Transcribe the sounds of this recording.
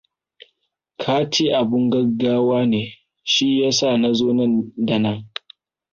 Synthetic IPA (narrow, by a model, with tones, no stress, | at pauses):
kʰaː˦t͡ʃeː˦ʔa˨bʊ˦ŋɡɐ˦ɡːaː˦waː˦neː˨ | ʃi˦jaː˦sa˦˨na˦zoː˦nɐ˦˨nda˨nɐ˦˨ŋ